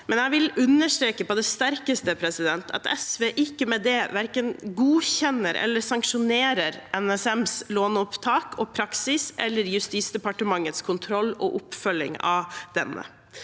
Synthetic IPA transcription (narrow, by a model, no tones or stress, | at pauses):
mɛnæɪʋɪlʉnːəʂt̪ɾeːkəpɔd̪ɛst̪æɾkəst̪əpʰɾɛsɪd̪ɛnt̪ʰɑ̰t̪ɛsʋeːʔɪkːəmɛd̪ɛʋæɾkənɡuːçɛnːəɾɛ̰lːəɾsɑŋkʂʊneːɾəɾʔɛnɛsɛmsloːnʊpt̪ʰɑːkɔːpʰɾɑksɪsɛ̰lːəɾjʉst̪iːt̪sd̪ɛpɑʈəmɑŋːət̪skʰʊnt̪ʰɾɔlːɔ̰ʔʊpːfœlɪ̰ŋɑ̰ʋd̪ɛ̰nːə̰